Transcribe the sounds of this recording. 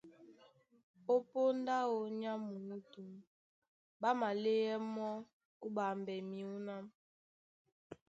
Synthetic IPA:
o˦po˦n˦da˦o˦ɲa˦mu˨u˦tu˨m | ba˦ma˨le˦jɛ˦mɔ˦ | u˦ba˨mbɛ˨mi˦u˦na˦m

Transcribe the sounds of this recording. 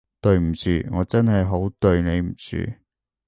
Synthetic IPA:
t̪ɵ˧ɥm̩˨˩t͡syː˨˩ŋɔː˨˧t͡sɐ˥nɦɐ˨jɦo˨˥wt̪ɵ˧ɥne˨˧jm̩˨˩t͡sy̰ː˨˩

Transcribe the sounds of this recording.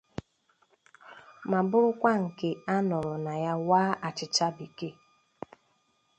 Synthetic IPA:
ma˨bʊ˦ɾʊ˦kʷa˦ŋ̩˨ke˦a˦nɔ˨ɾʊ˨na˨ja˦waː˦a˨t͡ʃɪ˨t͡ʃa˦bi˨ke˦

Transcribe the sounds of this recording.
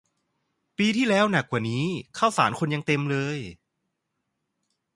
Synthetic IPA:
piː˧t̪ʰiː˥˩lɛː˦˥wna˨˩kːwaː˨˩niː˦˥kʰaː˥˩wsaː˩˦nkʰo˧nja˧ŋt̪e˧mlɤː˧j

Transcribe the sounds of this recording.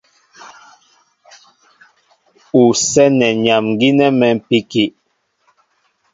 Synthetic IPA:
u˨sɛ˦nɛ˨ɲa˨mŋɡi˦nɛ˦mɛ˨m˨pi˦ki˨ʔ

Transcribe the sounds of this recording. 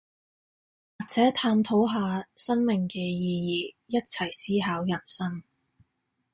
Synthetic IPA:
waː˨k̚t͡sɛː˨˥t̪ʰaː˧mt̪ʰo˨˥wɦaː˨˧sɐ˥nmɪ˨˩ŋkɛː˧jiː˧jiː˨˧ | jɐ˥t̚t͡sʰɐ˨˩jsiː˥ɦaː˨˥wjɐ˨˩nsɐ˥ŋ

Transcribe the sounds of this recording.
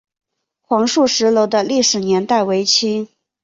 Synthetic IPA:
kʰwɑ˧˥ŋʂu˥˩ʂɻ̩˧˥lo˧˥ʊd̪ə˧li˥˩ʂɻ̩˨˩njɛ˧˥nt̪a˥˩ɪwe˧˥ɪt͡ɕʰi˥

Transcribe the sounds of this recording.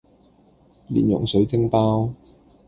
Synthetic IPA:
lḭː˨˩njʊ˨˩ŋsɵ˨˥ɥt͡sɪ˥ŋpaː˥w

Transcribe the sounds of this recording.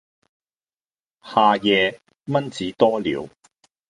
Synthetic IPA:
haː˨˧jɛː˨˧ | mɐ˥nt͡siː˨˥t̪ɔː˥lḭː˨˧w

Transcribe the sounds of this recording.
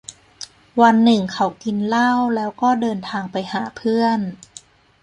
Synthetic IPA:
wa˧nːɯ˨˩ŋkʰa˨˩˥wki˧nla˥˩wlɛː˦˥wkɔː˥˩dɤː˧nt̪ʰaː˧ŋpa˧jhaː˩˦pʰɯ˥˩ən

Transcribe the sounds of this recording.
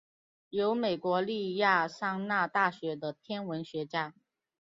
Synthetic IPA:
jo˧˥ʊme˨˩ɪkwɔ˧˥li˥˧ja˥˧ʂɑ˥˧ŋna˥˧t̪a˥˩ɕɥɛ˧˥d̪ə˧t̪ʰjɛ˥nwə˧˥nɕɥɛ˧˥t͡ɕja˥

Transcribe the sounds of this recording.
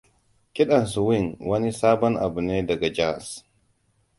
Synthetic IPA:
kʼɪ˦ɗa˨nsu˨wi˦˨nwɐ˦ni˦saː˦bɔ˦nʔa̰˨bu˨neː˦dɐ˨ɡa˨d͡ʒa˦˨s

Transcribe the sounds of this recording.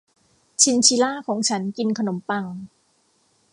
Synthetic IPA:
t͡ɕʰi˧nt͡ɕʰi˧˥laː˥˩kʰɔː˩˦ŋt͡ɕʰa˦˥nki˧nkʰa˧no˩˦mpa˧ŋ

